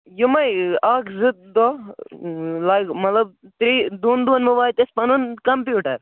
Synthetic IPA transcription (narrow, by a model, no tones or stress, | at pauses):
jʊmɐjaːkzɪt̪̚d̪ɔ | laːkmɐt̪lɐbt̪ɾiːd̪uːnd̪unmuʋaːjt̪espɐnunkɐmpjuːʈɐɾ